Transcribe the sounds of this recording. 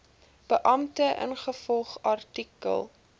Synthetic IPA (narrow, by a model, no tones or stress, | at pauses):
b̥əʔɐmtəʔə̰nχəfɔlˠχɐrtikə̰lˠ